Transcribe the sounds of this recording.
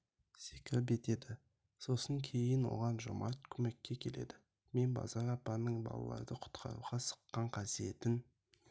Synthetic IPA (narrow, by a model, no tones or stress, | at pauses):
sekʲɪlp̬̚e̞t̪e̞d̪ɪ | so̞səŋkʲʰe̞jɪnwo̞̰ʁɑnʒʊ̰mɑt̪kʲʰɵme̞kʲːe̞kʲʰe̞le̞̰d̪ɪ | me̞nbɑ̰zɑɾɑpːɑnəɴbɑ̰lˠɑ̰lˠɑ̰ɾd̪əqʰʊ̥t̪qʰɑ̰ɾṵʁɑsə̥qːɑɴqʰɑsije̞t̪ɪn